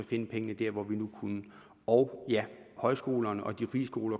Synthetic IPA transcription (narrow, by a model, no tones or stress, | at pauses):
ɒfe̝nəpʰeŋənəd̥æɐʋɒʋinukʰunə | ɒ̽ʊjæhɒ̽ɪsɡ̥o̝̰ːlɐnəʔɒ̽d̥ifiːsɡ̥o̝̰ːlɐ